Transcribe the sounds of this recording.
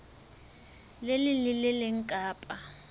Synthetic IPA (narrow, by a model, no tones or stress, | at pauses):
lelɪlɪlɪlɪŋ̩kʼaːpʼa